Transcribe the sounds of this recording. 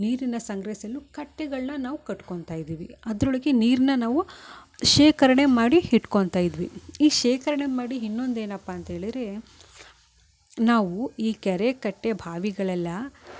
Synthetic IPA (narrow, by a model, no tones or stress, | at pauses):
niːɾinɐsɐŋɡɾɐisɐlːukɐʈːeɡɐɭnɐnaːʋukɐʈkoɳt̪aːjid̪iːʋiɐd̪ɾoɭɐɡe̞niːɾinɐnaːʋuʃeːkɐɾɐɳemaːɽihiʈko̞ɳt̪aːjid̪ʋḭiːʃeːkɐɾɐɳemaːɽiɦinːo̞nd̪e̞ːnɐpːaːnt̪ɐɦe̞ːɭid̪ɾe̞ | naːʋuiːkɛɾekɐʈːebʱaːʋiɡɐɭɛlːɐ